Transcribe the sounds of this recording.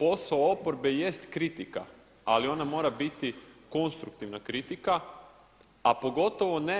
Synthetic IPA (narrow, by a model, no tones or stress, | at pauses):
po̞saoopoɾbeje̞st̪kɾit̪ika̰ | alio̞namo̞ːɾabit̪iko̞nst̪ɾukt̪iʋnakɾit̪ika | apo̞ɡo̞t̪o̞ʋo̞ne